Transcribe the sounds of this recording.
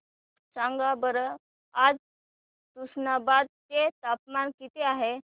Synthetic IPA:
t͡sãŋɡabəɾə | ad͡z | t̪usnabad̪̚t̪et̪apmankit̪eaɦe

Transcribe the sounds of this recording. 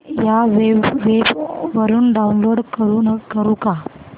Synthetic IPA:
jaʋeʋebʋəɾuːnɖaunloɽkəɾuːnkːəɾuka

